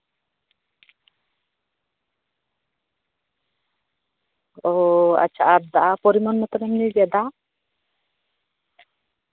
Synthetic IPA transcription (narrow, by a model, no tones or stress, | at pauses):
ɔa̰t͡ʃʰaʔad̪aʔapɔɾimɔnmɔt̪ɔɾɛmniɡɛd̪a